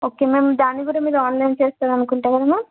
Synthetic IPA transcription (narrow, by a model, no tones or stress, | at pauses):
oːke̞ːme̞ːmd̪aːnːiɡuːɽɐmiːd̪ɐaːnlɐjnt͡ʃeːst̪aːd̪ɐnukuɳʈaːkɐd̪aːmeːm